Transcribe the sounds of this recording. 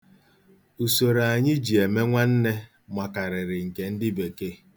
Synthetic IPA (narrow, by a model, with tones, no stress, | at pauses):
u˨so˨ɾa˨ɲɪ˦d͡ʒi˨e˨me˦ŋʷa˦n̩˦ne˦ | mʷa˨ka˨ɾɪ˨ɾɪ˨ŋ̩˨ke˨n̩˦dɪ˦be˨ke˦˨